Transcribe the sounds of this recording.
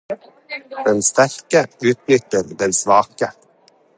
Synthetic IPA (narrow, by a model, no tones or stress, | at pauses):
d̪ɛnst̪æɾkəʉːt̪nʏt̪ːəɾd̪ɛnsʋɑːkə